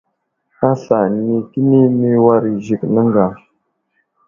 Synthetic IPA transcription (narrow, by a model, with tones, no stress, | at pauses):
a˦ɬa˨ni˨ki˦ni˦mi˦wa˦ɾi˨ʒi˨knə˦ŋɡa˨